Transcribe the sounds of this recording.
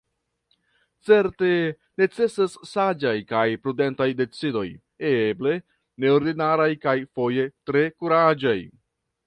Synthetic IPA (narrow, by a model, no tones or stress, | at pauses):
t͡se̞ɾte̞ | ne̞t͡se̞sasːad͡ʒajkajpɾude̞ntajde̞t͡sido̞j | eble̞ | ne̞o̞ɾdinaɾajkajfo̞je̞tɾe̞kuɾad͡ʒaj